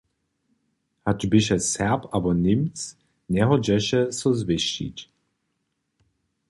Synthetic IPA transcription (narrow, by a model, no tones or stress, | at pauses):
had͡ʒbɪʃ̬ɛsɛpabɔnɪmt͡s | nʲɛɦɔd͡ʑɛʃɛsɔzvɪʃḭt͡ɕ